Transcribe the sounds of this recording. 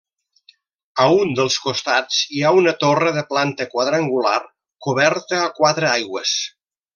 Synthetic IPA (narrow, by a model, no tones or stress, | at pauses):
əund̪əlˠskust̪ad͡ziaunət̪orəðəplant̪əkwaðɾaŋɡula̰r | kuβ̞ɛɾt̪əːkwat̪ɾəajɣwə̰s